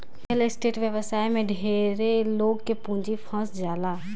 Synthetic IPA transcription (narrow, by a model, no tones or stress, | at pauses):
pʰɪlɪsʈeːʈʋjəʋəsaːimẽɖʱeːɾeloːɡkepũːd͡ʒipʰə̃sd͡ʒaːlaː